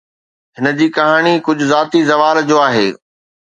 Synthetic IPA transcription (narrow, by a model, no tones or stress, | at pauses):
ɦɪnə̆d͡ʑiːkɐɦaːɽ̃ikʊd͡ʑʱʊzaːt̪izɐʋaːld͡ʑoːaːɦḛː